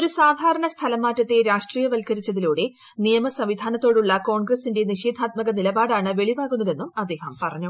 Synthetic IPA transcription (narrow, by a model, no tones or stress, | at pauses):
oɾusaːd̪ʱaːɾɐɳɐst̪ʰɐlɐmːaːtːɐt̪ːeɾaːʂʈriːjɐʋɐlkɐɾit͡ɕːɐðiluːɽe̞ | nijɐmɐsɐmʋid̪ʱaːnɐt̪ːo̞ːɽuɭːɐko̞ːɳɡrɐsinde̞niɕeːd̪ʱaːt̪̚mɐɣɐnilɐbaːɽaːɳɨʋe̞ɭiʋaːɣunːɐðe̞nːumɐd̪ːe̞ːhɐmpɐrɐɲːu